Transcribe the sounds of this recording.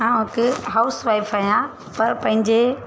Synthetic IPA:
ãːɪkɦaʊsʋaːɪfʰaːɦjã | pɐɾpɐ̃ɦɪ̃ɲd͡ʑe

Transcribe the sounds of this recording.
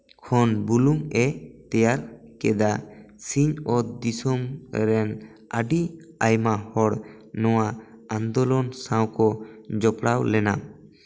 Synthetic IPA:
kʰɔnbuluŋɛt̪ɛjaɾkɛd̪a | siɲɔd̪isɔmɾɛn | aɖi | ajmahɔɽ | nɔwaãnd̪ɔlɔnsãwkɔd͡ʒɔpɽawlɛna̰m

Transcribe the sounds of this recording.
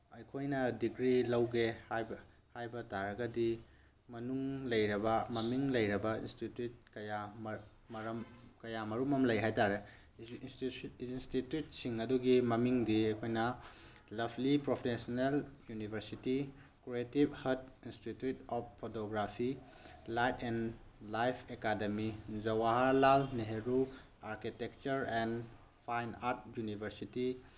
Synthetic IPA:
ɐjkʰojnɐdikɾilɐwɡehajb | hajbɐtaɾɐɡɐdi | mɐnuŋlɐjɾɐbɐmɐmiŋlɐjɾɐbɐḭnstitjut̚kɐjam | mɐɾɐmkɐjamɐɾumɐmlɐjɦajtaɾe | snstitjut̚siŋɐduɡimɐmiŋdiɐjkʰojnɐ | lɐbʰʱlipɾopʰesneljunibʱɐɾsiti | kɾietibhɐtinstitjutɔp̚pʰːotoɡɾapʰi | lajtʰɛn | lajpʰekademizɐwaɦalalneɦeɾu | aɾkitek̚t͡ʃɐɾɛn | pʰajnaɾt̚junibʱɐɾsiti

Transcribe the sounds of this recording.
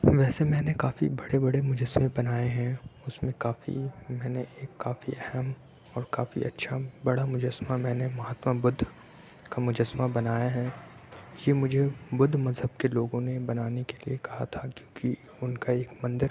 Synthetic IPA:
ʋɛːsemɛ̃ːnekaːfḭbɐɽebɐɽemʊd͡ʒəsmẽbɐnaːeɦɛ̃ʊsmẽkaːfḭmɛ̃ːneeːkːaːfiɛɦɛm | ɔːɾkaːfḭʔɐ̰tːʃʰabɐɽamʊd͡ʒəsmamɛ̃ːnemɐɦaːt̪mabʊd̪ʱ | kamʊd͡ʒəsmabɐnaːjaɦɛ | jemʊd͡ʒʱebʊd̪ʱmɐzɦəb̚keloːɡõnebɐnaːnekelḭekɐɦa̰t̪ʰakjõːki | ʊnkaeːkmɐ̃nd̪əɾ

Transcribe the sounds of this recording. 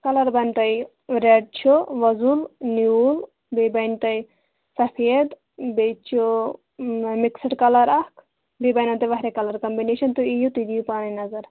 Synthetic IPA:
kɐlɐɾbɐnʲt̪ɐj | ɾeɖ̚t͡ʃʰoʋɐzulniul | bebɐjnt̪ɐj | sɐfʰied̪ | bet͡ʃʰo | miksiʈkɐlɐɾɐkʰ | bebɐjnɐnt̪ɐʋɐɦɾekɐlɐɾkɐmbineʃɐnt̪uijut̪id̪ijpaːninɐzɐɾ

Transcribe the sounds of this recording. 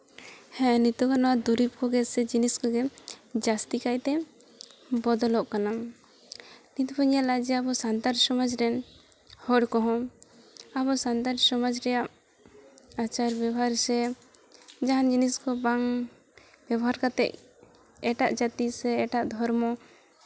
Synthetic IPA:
hɛ̃nit̪ɔkanɔwad̪uɾip̚kɔɡɛsɛd͡ʒiniskɔɡɛd͡ʒast̪ikajt̪ɛ | bɔd̪ɔlɔʔkanam | nit̪ɔpʰɔɲalad͡ʒɛabɔsant̪aɾsɔmad͡ʒɾɛn | hɔɽkɔɦɔ̃ | abɔsant̪aɾsɔmad͡ʒɾɛjaʔ | at͡ʃaɾbjɛbɔɦaɾsɛ | d͡ʒaɦand͡ʒiniskɔbaŋ | bɛbɔɦaɾkat̪ɛ̰ʔ | ɛʈaʔd͡ʒat̪isɛːʈaʔd̪ʱɔɾmɔ

